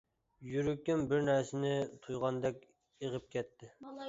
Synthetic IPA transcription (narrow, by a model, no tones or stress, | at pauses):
jyɾykʲːɛnbɪɾnɛɾsɪnɪt̪ʰujʁɑnd̪ɛkʲ | eʁəp̚kʲʰɛt̪ʰːɪ